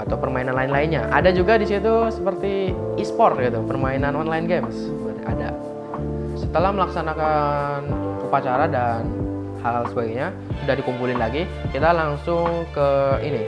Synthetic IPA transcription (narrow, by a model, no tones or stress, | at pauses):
at̪awpərmainanlaɪnlaɪnɲaʔa̰dad͡ʒuɡadisit̪usəpərt̪i | ispɔrɡit̪upərmainanɔnlaɪnɡems | bat̪ʔa̰da | sət̪əlahməlaksanakanupat͡ʃaɾadan | haalsəbaɡɲa | udahdikumpulɪnlaɡi | kit̪alaŋsʊŋkəini